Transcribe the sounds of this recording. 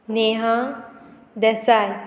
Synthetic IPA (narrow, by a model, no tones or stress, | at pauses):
neɦã | d̪ɛsaj